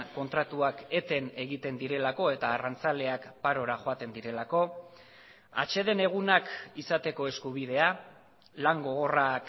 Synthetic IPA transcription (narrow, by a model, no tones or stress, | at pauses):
ko̞nt̪ɾat̪uake̞t̪e̞ne̞ɣit̪e̞nd̪iɾe̞lako̞e̞t̪aːrant͡sale̞akpaɾo̞ɾaʝo̞at̪e̞nd̪iɾe̞lako̞ | a̰t͡ʃe̞ðe̞ne̞ɣ̞unakisat̪e̞ko̞e̞skuβ̞ið̞e̞a | laŋɡo̞ɣo̞rak